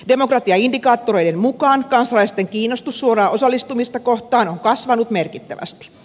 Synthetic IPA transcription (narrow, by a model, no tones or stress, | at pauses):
de̞mokrɑt̪iɑindikɑːt̪ːoɾo̞jdemmukɑːnkɑnsɑlɑist̪eŋkiːnːost̪usːuorɑːosɑlːist̪umist̪ɑkoht̪ɑːnoŋkɑsʋɑnut̪merkit̪ːæ̰ʋæ̰st̪i̥